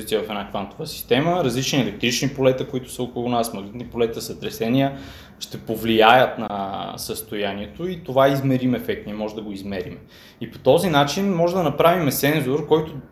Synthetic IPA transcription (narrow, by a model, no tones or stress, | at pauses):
it̪ijəvɐfɛnakvant̪ovəsi̥st̪ɛməɾɐzlit͡ʃniɛlɛk̚t̪ɾit͡ʃnipolɛt̪əkoit̪ʊ̥səokolˠunasmɐɡlit̪nipolɛt̪əsɐt̪ɾɛsɛnijə | ʃt̪ɛpovlijajət̪nɐsəst̪ojaniɛt̪oit̪ovaizmɛɾimɛfɛk̚t̪niɛmɔʒɛd̪ɐɡoizmɛɾḭmɛ | ipo̥t̪ɔzinat͡ʃinmɔʒɛd̪ɐnɐpɾavimɛsɛnzoɾkɔjt̪o